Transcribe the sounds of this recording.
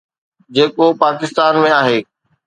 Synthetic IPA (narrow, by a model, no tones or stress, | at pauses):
d͡ʑeːkopaːkɪst̪aːnmẽaːɦeː